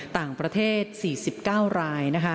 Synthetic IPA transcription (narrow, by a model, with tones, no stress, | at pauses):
t̪aː˨˩ŋpɾa˧t̪ʰeː˥˩t̪̚siː˨˩si˨˩p̚kaː˥˩wɾaː˧jna˦˥kʰa˦˥